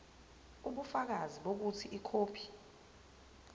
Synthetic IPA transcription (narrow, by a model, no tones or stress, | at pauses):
uɓufak̬aziɓok̬utʰiʔikʰoːpʰi̥